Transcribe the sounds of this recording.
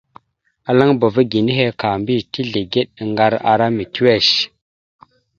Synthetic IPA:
a˨la˦ŋbə˨və˦ɡi˨ni˦ɦe˦ka˨mbi˦˨ti˦ɮe˨ɡe˦ɗə˨ŋɡa˦ɾa̰˨ɾa˦mi˨tu˦we˦˨ʃ

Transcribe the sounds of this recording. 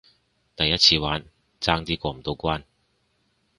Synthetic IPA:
t̪ɐ˨jːɐ˥t̚t͡sʰiː˧waː˨˥n | t͡saː˥ŋt͡siː˥kʷɔː˧m̩˨˩t̪o˧wkʷwaː˥n

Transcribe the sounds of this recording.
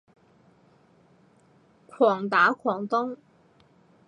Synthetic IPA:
kʰwɔ˨˩ŋt̪aː˨˥kʰwɔ˨˩ŋt̪ʊ˥ŋ

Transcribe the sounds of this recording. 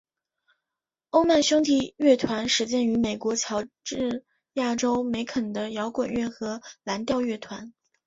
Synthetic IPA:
o˥ʊma˥˩nɕʊ˥ŋt̪ʰi˨˩ɥɛ˥˩t̪ʰwa˧˥nʂɻ̩˧˥t͡ɕjɛ˥˧ny˧˥me˨˩ɪkwɔ˧˥t͡ɕʰjɑ˧˥ʊʈ͡ʂɻ̩˥˩ | ja˥˩ʈ͡ʂo˥ʊme˧˥ɪkʰə˨˩nd̪ə˦jɑ˧˥ʊkwə˨˩nɥɛ˥˩nxɤ˧˥la˧˥nt̪jɑ˥˧ʊɥɛ˥˩t̪ʰwa˧˥n

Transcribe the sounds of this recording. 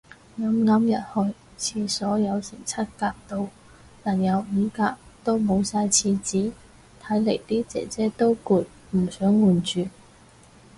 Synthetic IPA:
ŋɐ˨˧˥mŋɐ˨˥mjɐ˨t̚hɵ˧ɥ | t͡sʰiː˧sɔː˨˥jɐ˨˧wsɪ̰˨˩ŋt͡sʰɐ˥t̚kaː˧k̚t̪o˧w | naː˨˩njɐ˨˧wm̩ː˨˧kaː˧˥k̚t̪o˥wmo˨˧wsaː˧jt͡sʰiː˧t͡siː˨˥ | t̪ʰɐ˨˥jle˨˩jt̪iː˥t͡sɛ̰ː˨˩t͡sɛː˥t̪o˥wkuː˧t̚ | m̩˨˩sœː˨˥ŋwuː˨nt͡ʃyː˨˧

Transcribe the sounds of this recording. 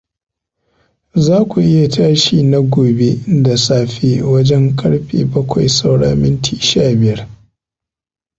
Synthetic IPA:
zaː˦kʷu˨ʔɪ˦ja˨taː˦ʃiː˨na˦ɡʷoː˨be˦da˨saː˦ɸeː˦wɐ˦d͡ʒɛ˦ŋkʼɐ˦ɽɸḛː˨bɐ˦kʷʰa˨jsa˦wɽa̰˦mɪ˦ntʰiː˨ʃaː˦˨bɪ˨jɐ˦r

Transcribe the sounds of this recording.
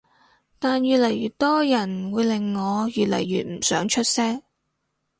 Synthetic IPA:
t̪aː˨njyː˨t̚lɐ˨˩jɥyː˨t̚t̪ɔː˥jɐ˨˩nwuː˨˧jlɪ˨ŋːɔː˨˧jyː˨t̚lɐ̰˨˩jːyː˨t̚m̩˨˩sœː˨˥ŋt͡ʃʰɵ˥t̚sɛː˥ŋ

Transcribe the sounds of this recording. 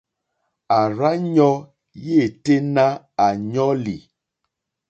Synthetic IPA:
a˨ɾa˦ɲɔ˦ | je˦˨te˦na˦ | a˨ɲɔ˦lḭ˨

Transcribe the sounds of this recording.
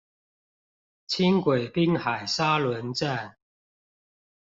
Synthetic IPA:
t͡ɕʰi˥ŋkwe˨˩ɪpi˦˥ŋxa˨˩ɪsa˦˥lwə˧˦nʈ͡ʂa˥˨n

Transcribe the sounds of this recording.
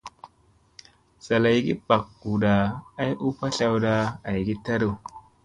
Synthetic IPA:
sa˨la˨jɡi˦pa˨kɡu˨ɗa˨a˦jʔu˦pa˦ɬa˨wda˦a˨jɡi˦ta˦ɾu˨

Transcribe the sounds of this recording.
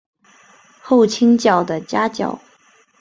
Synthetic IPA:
xo˥˩ʊt͡ɕʰi˥ŋt͡ɕjɑ˥˩ʊd̪ə˩t͡ɕja˥t͡ɕjɑ̰˥˩ʊ

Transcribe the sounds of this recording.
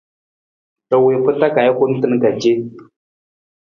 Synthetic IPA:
tɔ˨we˨pɨ˦ta˦ka˨ja˦ku˦n̩˦tɨ˦n˦ka˨d͡ʒe˦

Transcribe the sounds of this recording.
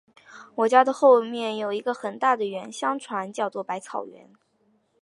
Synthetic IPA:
wɔ˨˩t͡ɕja˥d̪ə˨xo˥˧ʊmjɛ˥˩njo˨˩ʊi˧˥ɡə˧xə˨˩nt̪a˥˩d̪ə˩ɥɛ˧˥nɕjɑ˥ŋʈ͡ʂʰwa˧˥nt͡ɕjɑ˥˧ʊt͡swɔ˥˩pa˧˥ɪt͡sʰɑ˨˩ʊɥɛ̰˧˥n

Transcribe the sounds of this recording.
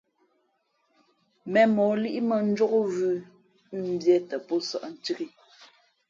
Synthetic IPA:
mɛ˨mɔː˨˦li˦ʔi˦mə˨n̩˦d͡ʒɔ˦ɣo˦vʉ˦ | m̩˨bjɛ˦tə˨pɔ˦sa̰˨ʔn̩˨ti˦ɣi˦

